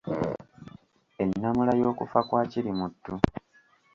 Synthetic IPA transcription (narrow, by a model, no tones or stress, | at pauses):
e̞nːamulajo̞ːkufakwaːciɾimutːu